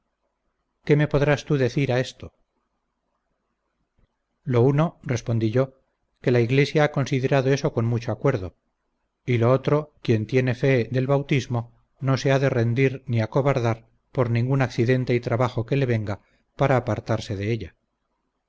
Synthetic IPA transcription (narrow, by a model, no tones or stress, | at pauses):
ke̞me̞po̞ðɾast̪uðe̞θiɾae̞st̪o̞ | lo̞uno̞re̞spond̪iʝo̞ | ke̞laiɣle̞sjaako̞nsiðe̞ɾaðoe̞so̞ko̞nmut͡ʃo̞akwe̞ɾðo̞ | ilo̞ot̪ɾo̞kje̞nt̪je̞ne̞fe̞ðe̞lβawt̪izmo̞ | no̞se̞aðe̞re̞nd̪iɾniako̞βaɾðaɾ | po̞ɾnĩŋɡunakθiðe̞nt̪e̞it̪ɾaβaχo̞ke̞le̞βe̞ŋɡa | paɾaːpaɾt̪aɾse̞ðe̞eʎa